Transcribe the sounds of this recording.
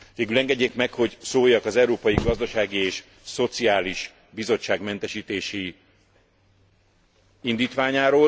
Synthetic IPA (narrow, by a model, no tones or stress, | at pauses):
veːɡylɛŋɡɛɟːeːkmɛkho̞ɟsoːjːɒkɒzɛuɾoːpɒjiɡɒzd̪ɒʃaːɡieːʃ | so̞t̪siaːliʃ | bizo̞t͡ʃːaːɡmɛnt̪ɛʃiːt̪eːʃi | ind̪iːt̪ʋaːɲaːɾoː